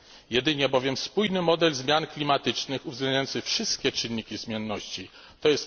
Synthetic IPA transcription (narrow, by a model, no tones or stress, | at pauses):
jɛd̪ɘɲɛbɔvʲjɛmspujnɘmɔd̪ɛlzmʲjanklʲimat̪ɘt͡ʂnɘxuvzɡlɛnajɔnsɘxfʂɘst̪kʲɛt͡ʂɘnːikʲizmʲjɛnːɔɕt͡ɕi | t̪ɔjɛst̪